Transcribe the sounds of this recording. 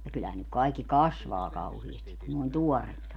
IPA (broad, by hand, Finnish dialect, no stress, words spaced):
jɑ kylːæhæn nyk kɑikːi kɑsʋɑː kɑuhiestik̆ kun noˑĭn tuɔrːetːɑ